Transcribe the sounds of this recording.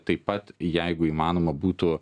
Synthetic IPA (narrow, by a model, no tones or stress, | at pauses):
t̪ɐɪpɐt̪jɛɪɡʊiːmɑːnoːmɐbuːt̪ʊ